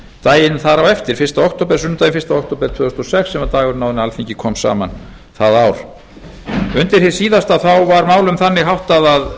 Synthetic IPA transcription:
t̪aːjɪnθaɾawɛft̪ɪɾ̥fɪɾ̥st̪aɔk̚t̪oːpɛɾ̥sʏnʏt̪ajɪnfɪ̥st̪aɔkt̪oːpɛɾ̥t̪ʰvœːʏst̪ɔsɛksːɛmat̪aːɣʏɾnawðnalfiɲcɪkʰɔːmsa̰ːma̰n | θaðawɾ̥ | ʏnt̪ɪɾ̥hɪ̥siːðast̪aθawvaɾmaːwlʏmθanːɪɣɦawht̪aðað

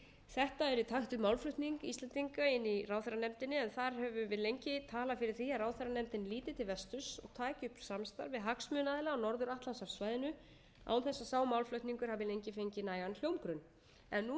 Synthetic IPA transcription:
θɛht̪aɛɾit̪ʰaxt̪ʏmawlflœɥht̪niŋkist̪ɛnt̪iŋkaɪnːirawθœɾanɛmt̪ɪnːɪɛnθaɾɦɛvʏvɪðlejɲcɪt̪ʰaːlafɪɾɪɾ̥θiːaɾraːwθœɾanɛmt̪ɪnːliːt̪ɪt̪ʰɪlvɛst̪ʏsɔɣt̪ʰaːcʏhpsamst̪a̰ɾvɪðɦaksmʏːnaðɪlaɔnɔɾðʏɾaht̪lansaɾsvaːjðɪnʏ | a̰ːwnθɛsːasaːwmawlflœɥht̪niŋkʏɾhaːvɪlejɲcɪfejɲcɪnaːjɣanl̥jowmkɾʏn | ɛnːu

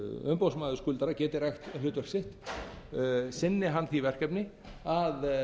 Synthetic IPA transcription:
ʏmpowsmaːðʏskʏːlt̪aɾacɛːt̪ɪrajxt̪lʏːt̪vœr̥ksɪht̪ | sɪnːɪɦanːθivɛr̥kɛpnɪ | að

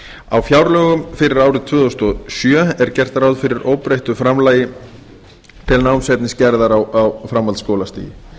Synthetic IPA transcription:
awfjawɾlœːɣʏmfɪɾɪɾaːwɾɪt̪ʰvʏːðɔst̪ɔsjœɛɾ̥cɛr̥t̪aɾawðfɪɾɪɾʔoːwpɾejht̪ʏfɾamlaːjɪ | t̪ʰɪlnawmsɛp̪nɪscɛɾðaɾawawfɾamːalt̪skoːwlast̪ḭːjɪ̰

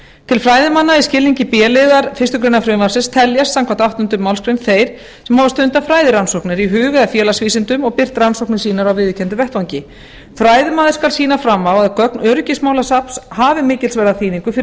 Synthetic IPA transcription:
t̪ʰɪlfɾaːjðɪmanːaɪ̥scɪlːiɲcɪpjɛːlɪðaɾfɪ̥rst̪ʏkɾejnafɾʏːmasɪnst̪ʰɛljasːamkʰvant̪awht̪ʏnt̪ʏmawlskɾɪnθeːjɾ̥ | sɛmhavast̪ʏnt̪afɾaːjðɪɾansɔwknɪɾiɦʏːɣʏafjɛːlasviːsɪnt̪ʏmɔɣpɪr̥t̪ɾansɔhknɪ̥siːnaɾawvɪðɪcʰɛnt̪ʏvɛht̪vaɲcɪ | fɾaːjðɪmaːðɪɾskalsiːnafɾamːawaðkœknœɾcɪsmawlasapshaːvɪmɪːcɪlsvɛɾðaθʰiːniŋkʏfɪ

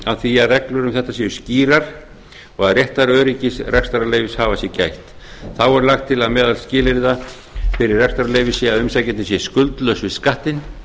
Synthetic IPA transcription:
aðθiaðrɛklʏɾʏmθɛht̪ːasɛʏsciːɾaɾ̥ | ɔɣaðrjɛht̪aɾœːɾicɪsrɛkst̪aɾalejvɪshaːvasjɛcajht̪ | θawɛɾlaxt̪ʰːɪlaðmɛːðalscɪːlɪɾða | fɪɾɪɾrɛkst̪aɾalejvɪsɪaðʏmsajcɪnɪsjɛskʏlt̪lœsvɪðskaht̪ɪn

